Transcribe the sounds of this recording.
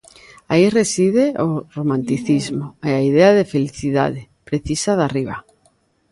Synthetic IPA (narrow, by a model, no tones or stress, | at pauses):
airesiðeoromãnt̪iθizmoeaiðeaðefeliθiða̰ðepɾeθisaðariβ̞a̰